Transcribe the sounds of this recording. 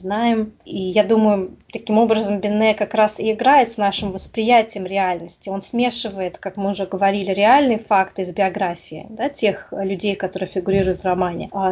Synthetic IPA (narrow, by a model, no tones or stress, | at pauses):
znajɪmijad̪uməjʊt̪ɐkʲimo̞bɾəzəmbʲɪnːɛkɐkɾasɪɪɡɾajɪt̪snaʂɨmvəspɾʲɪjætʲɪjəmɾʲɪalʲnəsʲtʲɪo̞nsmʲe̞ʂɨvəjɪt̪kakmɨʊʐɛɡəvɐɾʲilʲɪɾʲɪalʲnɨɪfakt̪ɨɪzbʲɪɐɡɾafʲɪɪ̰d̪atʲe̞xlʲʉdʲejkɐt̪o̞ɾɨjfʲɪɡʊɾʲiɾʊjʊt̪vrɐmanʲɪ̰a